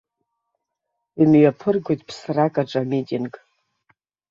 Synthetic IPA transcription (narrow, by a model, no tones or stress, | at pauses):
imɥapʰɨrɡʷojtʼpʰsrakʼaʈ͡ʂʼamitʼinɡʼ